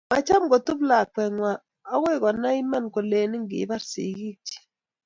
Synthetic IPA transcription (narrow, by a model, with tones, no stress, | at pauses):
ma˨t͡ʃa˦mɡo˨tu˦bla˨kɛ˨ŋwa˨ | ɔ˦we˦˨kɔ˨na˦i˦ma˦˨nko˨le˨ni˦ŋɡɪ̰˨˦ba˦ɾsḭ˨ɡi˦d͡ʒi̥˦˨